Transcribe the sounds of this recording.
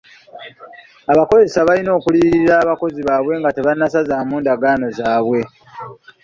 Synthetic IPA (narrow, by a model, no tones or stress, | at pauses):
aβako̞ze̞saβalino̞ːkuliɾiɾaːβako̞ziβaːβwe̞ŋɡate̞βanːasazaːmuːndaɡaːno̞zaːβwe̞